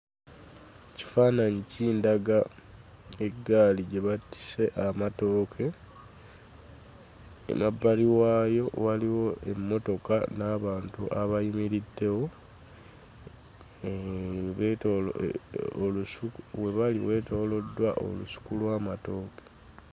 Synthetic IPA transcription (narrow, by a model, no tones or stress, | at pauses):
ci̥faːnaɲiciːndaɡa | e̞ɡaliɟe̞βatːi̥se̞ʔamato̞ːkʰe̞ | ḛmabːaliwaːjo̞waliwo̞ʔe̞mːo̞to̞ka̰naːβaːntuʔaβajimiɾidːe̞wo̞ | eβo | oluswe̞βaliwe̞ːto̞ːlo̞dːwaʔo̰lṵsu̥kulwaːmato̞ːke̥